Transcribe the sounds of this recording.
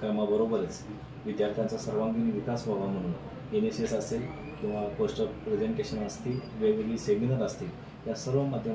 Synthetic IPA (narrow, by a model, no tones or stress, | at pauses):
kəmabəɾobəɾət͡s | ʋid̪jaɾt̪ʰjant͡sasəɾʋãŋɡiniʋikasʋaʋam̤əɽ̃ũːn | enesesəsel | kĩw̃ʋakosʈəpɾed͡ʑeɳʈeɕənast̪iːʋeʋeliːseɡinəɾast̪iː | jasəɾʋəmad̪ʱjə